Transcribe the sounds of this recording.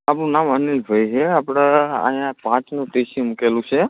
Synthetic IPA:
apɽ̃ũnamənilbʱəjɦeapɽ̃aa̰ɦjãpãt͡ʃnũʈesimukelũt͡ʃʰe

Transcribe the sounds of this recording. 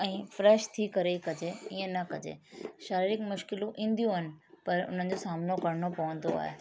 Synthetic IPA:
ɛ̃ːfɾɛːʃt̪ʰikɐɾekɐd͡ʑeiə̃nɐkɐd͡ʑḛʃaːɾiɾɪkmʊʃkɪlũʔĩːnd̪ʱjũɦənɪ̆pɐɾʊ̰n̤ənɪ̆d͡ʑosaːmnokɐɾɳopɐʋə̃n̆d̪o̰a̰ːɦḛ

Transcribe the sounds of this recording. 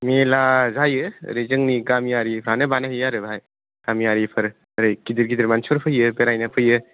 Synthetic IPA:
melazajɯ̰ɾezɯŋniɡamijaɾipʰɾanɐbanɐɦijaɾɯbʱaj | kamijaɾipʰɐɾ | əɾɯjkid̪iɾɡid̪iɾmansɔɾpʰɯjɯpeɾajnɐpʰɯjɯ

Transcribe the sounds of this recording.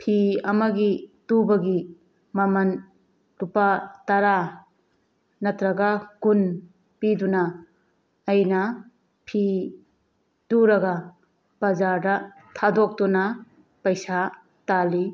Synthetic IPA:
pʰiɐmɐɡitubɐɡi | mɐmɐn | dupatɐɾa | nɐtɾɐɡakun | pidunaː | jnɐ | pʰi | d̥uɾɐɡɐ | pɐzaɾdɐ | tʰadok̚tuna | pɐjsa | tali

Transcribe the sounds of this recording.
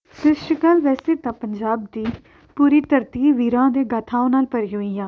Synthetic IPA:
t̪ɪsʈəkaːlʋɛːseːt̪ãːpəɲd͡ʒaːb̚d̪iː | puːɾiːt̪əɾt̪iːʋiːɾãːd̪eːɡat̪ʰaːõːnaːlpəɾiːɦoːiːjãː

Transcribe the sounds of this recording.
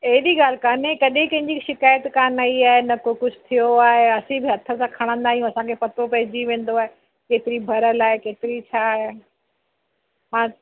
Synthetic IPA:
ɐɦɪɗiɡaːl̤ɪkaːnẽkɐɗẽkɐ̃ɦɪ̃ɲd͡ʑiʃɪkaːjət̪kãːnɐiaːɦenɐkokʊd͡ʑʱʊt̪ʰijoaːɦeɐsĩbɪɦɐt̪ʰə̆sãkʰɐɽ̃ə̃nd̪aːijũɐsãkʰepɐt̪opɐɦɪd͡ʑiʋẽːn̆d̪oaːe | keːt̪ɪɾibʱɐɾəlaːɦekeːt̪ɪɾit͡ɕʰaːɦe | mãː

